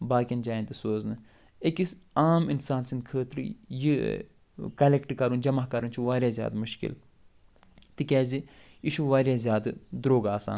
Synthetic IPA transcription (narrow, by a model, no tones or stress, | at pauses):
baːkʲind͡ʒaːjnt̪isoːznɨ | ekisaːminsaːnsinkʰəːt̪ɾɨ̰ji | kɐlekʈkɐɾund͡ʒɐmaɦkɐɾunt͡ʃʰuʋaːɾʲjaːzʲja̰ːd̪muʃkḭl | t̪ikʲɛːzi | iʃuʋaːɾjaːzʲjaːd̪d̪ɾoːɡaːsa̰ːn